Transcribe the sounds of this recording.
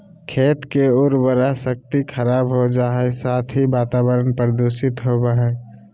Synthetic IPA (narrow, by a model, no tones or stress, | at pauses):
kʰeːt̪keʊɾbəɾasək̚t̪ikʰəɾaːbɦod͡ʒaːɦɛsaːt̪ʰɦibaːt̪aːbəɾənpɾəd̪osɪt̪ɦobaɦɛ